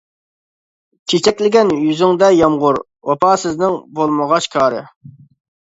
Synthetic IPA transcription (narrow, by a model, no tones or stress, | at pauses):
t͡ʃʰet͡ʃʰɛkʲlɪɡʲɛnjyzɪŋd̪ɛjɑmʁʊɾ | wɑpʰɑːsɪznɪŋbolˠməʁɑʃkʰɑːɾɨ̰